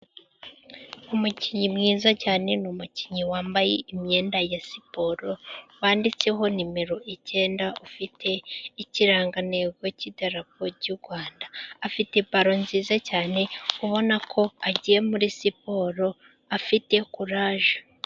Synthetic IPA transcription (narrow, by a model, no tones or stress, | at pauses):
umuciɲimŋiːzacaːne̞numuciɲiwaːmbajḛimɲe̞ːndajasipo̞ːɾo̞waːndit͡se̞ɦo̞nime̞ɾo̞ʔice̞ːndaufitʰe̞iciɾaːŋɡaneɡo̞cidaɾapoɾɟuɾɡwaːndaːfite̞paɾo̞nziːzacaːne̞uβo̞nakʰo̞aɟije̞muɾisipo̞ɾo̞ | afite̞kuɾaːʒḁ